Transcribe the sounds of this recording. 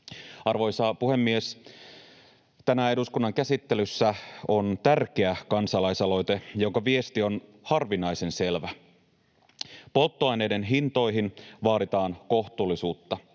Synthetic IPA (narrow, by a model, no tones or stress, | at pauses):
ɑrʋo̞jsɑpuhe̞mːie̞s | t̪ænæe̞duskunːɑŋkæsit̪ːe̞lysːæo̞nt̪ærk̟eækɑnsɑlɑjsɑlo̞jt̪e̞jo̞ŋkɑʋie̞st̪io̞n | hɑrʋinɑjse̞nse̞lʋæ | po̞lt̪ːoɑjnejde̞nɦint̪o̞jɦinʋɑːɾit̪ɑːnko̞ht̪uːlːisuːt̪ːɑ